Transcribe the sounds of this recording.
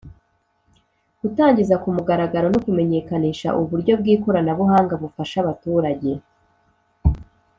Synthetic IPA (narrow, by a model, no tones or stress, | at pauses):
ɡ̥utaːɲɟizakumuɡaɾaɡaɾo̞nokume̞ɲe̞kaniːʃa̰ʔuβuɾɟo̞b̚ɡiːko̞ɾanaβuɦaːŋɡaβufaʃaβatuːɾaɟe̞